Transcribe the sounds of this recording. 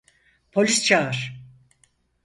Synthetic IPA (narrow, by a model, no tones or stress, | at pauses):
pʰo̞lʲist͡ʃʰaɯɾ̥